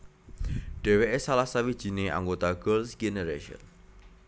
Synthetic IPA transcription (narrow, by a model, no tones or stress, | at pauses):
ɖ̥eweʔesalahsawi̥ʒ̥i̤neʔa̰ŋɡot̪aɡəlsɡ̥enəɾeʃiɔ̰n